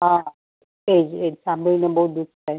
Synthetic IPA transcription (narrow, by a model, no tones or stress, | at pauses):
ɦã | ed͡ʒed͡ʒsãmbʱəɭinebəɦut̪̚d̪ukt̪ʰae